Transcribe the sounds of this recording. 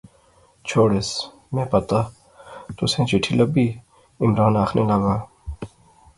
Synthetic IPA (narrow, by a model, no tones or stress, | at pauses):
t͡ɕʰoːɽes | mẽːpɐt̪a | t̪ʊsẽːt͡ɕiʈʰilɐbi | ɪmɾaːnaːxnʔelɐɡaː